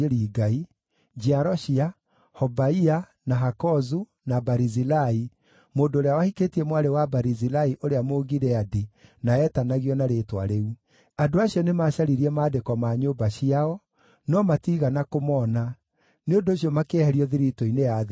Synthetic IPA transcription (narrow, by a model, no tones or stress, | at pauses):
eɾiɡai | d͡ʑiaɾɔɕia | hɔbaia | naɦakɔzu | nabaɾizilai | moːndoːɾeawahiketiɛmwaɾewabaɾizilaiʔoɾeamoɡiɾɛadinaɛtanaɣiɔnaɾetwa̰ɾeu | adoaɕiɔnemaɕaɾiɾiɛmaːdekɔmaɲoːbaɕiaɔ | nɔmatiɣanakomɔna | neondoɕ̬iɔmakehɛɾiɔðiɾitoineað